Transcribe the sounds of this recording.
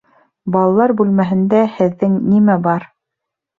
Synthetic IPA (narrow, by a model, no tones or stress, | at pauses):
bɑlˠɑlˠɑɾbʉlmæɦɘ̆nd̪æhɘ̆ðːɘŋnimæbɑɾ